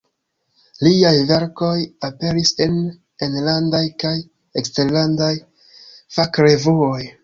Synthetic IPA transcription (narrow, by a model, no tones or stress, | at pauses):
liajve̞ɾko̞jape̞ɾise̞n | enlandajkaj | ekste̞ɾlandaj | fakɾe̞vuoj